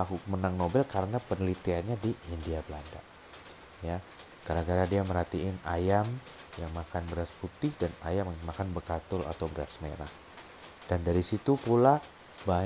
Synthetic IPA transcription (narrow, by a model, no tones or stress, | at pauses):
akumənaŋnobɛlkaɾənapənəlit̪ianɲadiindiabəlanda̰ | ja | ɡ̥aɾaɡaɾadiaməɾat̪iɪnajam | jaŋmakanbəɾasput̪ɪhdana̰jamjaŋmakanbərkat̪ʊla̰t̪awbəɾasmḛɾa̰h | d̥andaɾisit̪upula | ba